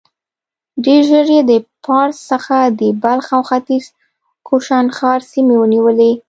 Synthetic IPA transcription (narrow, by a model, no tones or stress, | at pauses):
ɖeɾʒəɾjed̪əpɑɾsːəxad̪əbalxawxat̪iz̥ | kʰoʃanxɑɾsimewəniwəle